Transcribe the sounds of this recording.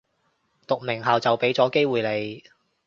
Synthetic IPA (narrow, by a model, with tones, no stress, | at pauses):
t̪ʊ˨k̚mɪ˨˩ŋɦɐː˨wt͡sɐ˨wpe˨˥jt͡sɔː˨˥ke˥jwuː˨˩jle˨˧j